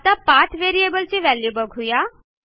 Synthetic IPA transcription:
t̪apaːʈ̪ʰʋeːɾiebəlt͡ʃiʋɛːljubəɡʱɦujaː

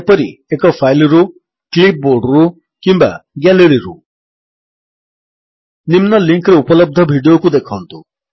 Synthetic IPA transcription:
pɔɾiekɔpʰajlɔɾu | klip̚boɾɖɾu | kimba̰ɡɛleɾiɾṵ | nimnɔliŋkɾeupɔlɔb̚d̪ʱɔbʱiɖiokud̪ekʰɔnt̪u

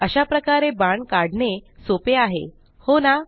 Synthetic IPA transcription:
əɕapɾəkaɾebaɳkaɽɳesopeaɦḛ | hona

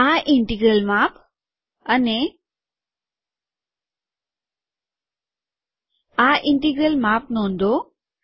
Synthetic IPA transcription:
aʔɪ̃ɳʈiɡɾəlmaːp | əne | aʔɪ̃ɳʈiɡɾəlmaːpnõːnd̪o

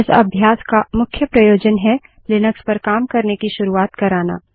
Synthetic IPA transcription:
sɐ̰bʱjaːskamʊkʰjəpɾɐjoːd͡ʒənɦɛ | lɪnəkspɐɾkaːmkɐɾnekiʃʊɾuaːt̪kɐɾaːna̰ː

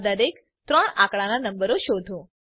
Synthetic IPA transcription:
d̪əɾek | t̪ɾəɳakɭananəmbəɾoʃod̪ʱũ

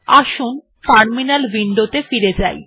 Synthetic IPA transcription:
aʃun | kaɾminalbiɳɖot̪efiɾed͡ʑa̰j

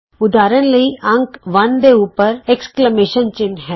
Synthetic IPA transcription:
ʊd̪aːɾəñlɐiʔɐ̃ŋkʋɐ̃nd̪euːpəɾeksklemeːʃənt͡ʃɪnɦɛ

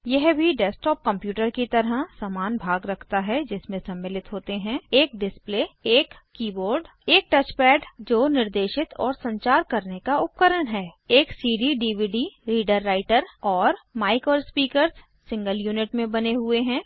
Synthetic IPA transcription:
jɛɦbʱiɖɛːsʈɔːp̚kɐ̃mpjuːʈəɾkit̪ɐɾəɦsamaːnbʱaːɡɾɐkʰt̪aɦɛd͡ʒɪsmẽsɐ̃mːɪːlɪt̪ɦoːt̪eɦɛ̃eːk̚ɖɪspleːeːkːiːboːɾɖ | eːk̚ʈɐt͡ʃpɛːɖd͡ʒoːnɪɾd̪eːʃɪt̪ɔ̰ːɾsɐ̃ɲt͡ʃaːɾkɐɾnekaʊp̚kəɾənɦɛːeːksiːɖiɖiːʋiːɖiɾiːɖəɾːaːɪʈəɾɔːɾmaːɪkɔːɾspiːkəɾsː | ɪ̃ŋɡəljuːnɪʈmẽbɐneɦʊeɦɛ̃ː

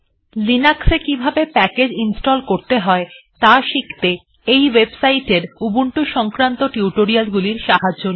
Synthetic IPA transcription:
linaksekibʱabepɛked͡ʑinsʈolkoɾt̪eɦɔet̪aʃikt̪e | ejwebsajʈeɾubuɳʈuʃɔŋkɾant̪oʈiuʈoɾialɡuliɾʃaɦad͡ʑd͡ʑon

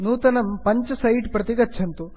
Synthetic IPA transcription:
nuːt̪ɐnɐmpɐɲt͡ʃɐsɐjɖpɾɐt̪iɡɐːʃʰɐnt̪u

